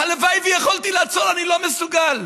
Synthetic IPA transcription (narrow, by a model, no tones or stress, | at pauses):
halevajvijeχolt̪ilat͡solanilo̞mesuɡal